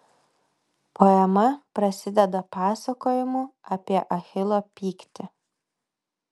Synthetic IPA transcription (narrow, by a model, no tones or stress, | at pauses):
poɛmɐpɾɐsʲɪd̪ʲɛd̪ɐpɑːsɐkoːjɪmʊɐpʲiɛʔɐxʲɪlˠoːpʲiːkt̪ʲɪ